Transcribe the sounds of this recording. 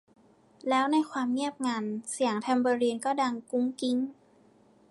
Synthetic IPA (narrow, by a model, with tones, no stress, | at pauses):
lɛː˦˥wna˧jkʰwaː˧mŋi˥˩əp̚ŋaː˧nsi˨˩˦əŋt̪ʰa˧mbɤː˧ɾiː˧nkɔː˥˩da˧ŋku˧˥ŋki˧ŋ